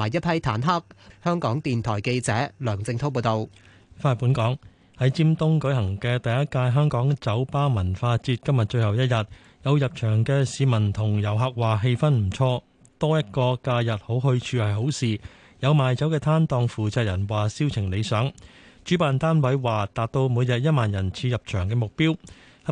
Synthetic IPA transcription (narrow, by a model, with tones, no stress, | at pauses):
aː˨˩jɐ˥t̚pʰɐ˥jt̪ʰaː˨˥nɦɐ˥k̚hœː˥ŋkɔː˨˥ŋt̪iː˨nt̪ʰɔː˨˩jke˧jt͡sɛ̰ː˨˥lœː˨˩ŋt͡sɪ˧ŋt̪ʰo˥wp̬oː˧wt̪o˨w | faː˧˥t̚puː˨˥nkɔː˨˥ŋ | hɐ˨˥jt͡siː˥mt̪ʊ˥ŋkɵ˨˥ɦɐ˨˩ŋkɛː˧t̪ɐ˨jɐ˥t̚kaː˧jɦœː˥ŋkɔː˨˥ŋt͡sɐ˨˥wpaː˥mɐ˨˩nfaː˧t͡siː˧t̚kɐ˥mjɐ˨t̚t͡ʃɵ˧ɥhɐ˨wjɐ˥t̚jɐ˨t̚ | jɐ˨˧wjɐ˨p̚t͡ʃʰœː˨˩ŋkɛː˧siː˨˧mɐ˨˩nt̪ʰʊ˨˩ŋjɐ˨˩wɦɐː˨˧k̚waː˨˩ɦe˧jfɐ˥nm̩˨˩t͡ʃʰɔː˧ | t̪ɔː˥jɐ˥t̚kɔː˧kaː˧jɐ˨t̚ho˨˥wɦɵ˧ɥt͡ʃʰyː˧hɐ˨jɦo˨˥wsiː˨ | jɐ˨˧wmaː˨jt͡sɐ˨˥wkɛː˧t̪ʰaː˥nt̪ɔː˨˧ŋfuː˨t͡saː˨˧k̚jɐ˨˩nwaː˨siː˥wt͡sʰɪ˨˩ŋle˨˧jsœː˨˥ŋt͡ʃyː˨˥paː˨nt̪aː˥nwɐ˨˥jwaː˨t̪aː˨t̚t̪o˧wmuː˨˧jjɐ˨t̚jɐ˥t̚maː˨njɐ˨˩nt͡sʰiː˧jɐ˨˩p̚t͡ʃʰœː˨˩ŋkɛː˧mʊ˨k̚piː˥w | h